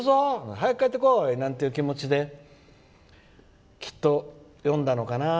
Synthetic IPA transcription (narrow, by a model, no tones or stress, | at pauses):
ozoɦajikːait̪ːekoinãnt̪eiɯ̟kʲimo̞t͡ɕid̪e̞ | kʲi̥t̪ːo̞ | jõ̞nd̪ano̞kana